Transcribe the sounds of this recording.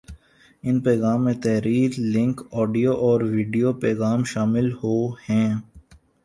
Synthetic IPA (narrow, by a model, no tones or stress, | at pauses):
ɪnpɛːɣaːmːẽt̪ɛɦɾiːɾlɪ̃ŋkɔːɖijoʔɔːɾʋiːɖijopɛːɣaːmʃaːmɪlhoːhɛ̃ː